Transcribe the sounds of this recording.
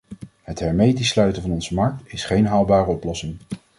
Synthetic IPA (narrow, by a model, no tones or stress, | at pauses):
ɦətɦɛɹmejtislœɥtənvɑnɔnzəmɑɹk̚tɪsχejnɦaːlˠbaːrəɔplɔsɪŋ